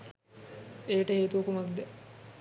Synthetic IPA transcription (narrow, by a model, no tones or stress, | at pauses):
eːʈəɦeːt̪uʋɐkumɐkd̪ɛ